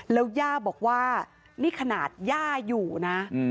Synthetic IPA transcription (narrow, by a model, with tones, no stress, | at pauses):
lɛː˦˥wjaː˥˩bɔː˨˩k̚waː˥˩ | niː˥˩kʰa˧naː˨˩t̪̚jaː˥˩juː˨˩na˦˥˧